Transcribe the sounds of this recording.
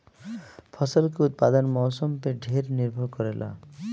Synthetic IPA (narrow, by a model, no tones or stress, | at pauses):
pʰɔsɔlkeut̪̚pad̪ɔnmɔwsɔmpeɖʱeɾniɾbʱɔɾkɔɾelʔa̰